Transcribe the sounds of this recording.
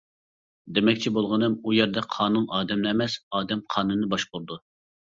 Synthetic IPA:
d̪emɛkʲt͡ʃʰibolˠʁənɨmujɛɾd̪ɛqʰɑːnunɑːd̪ɛmnɪɛmɛsɑːd̪ɛmqʰɑːnunːɨbɑʃqʊɾd̪u

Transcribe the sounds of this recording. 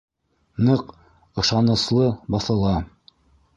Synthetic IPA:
nɤq | ɤ̆ʃɑnɤ̆slˠɤbɑθɤ̆lˠɑ

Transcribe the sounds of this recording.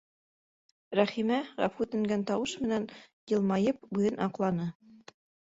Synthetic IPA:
ɾæχimæʁæ̰fʉt̪ɘ̆ŋɡænt̪ɑwɤʃmɘ̆næn | jɤ̆lˠmɑjɤp̚bʉðɘnʔɑqlˠɑnɤ

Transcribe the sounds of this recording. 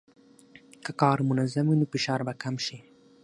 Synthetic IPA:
kakɑːɾmʊnazamwinofɪʃɑːɾbakamʃi

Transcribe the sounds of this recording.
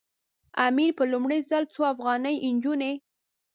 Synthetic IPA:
amiɾpəlumɽəjzəlt͡soafɣɑnəjʔɪnd͡ʒune

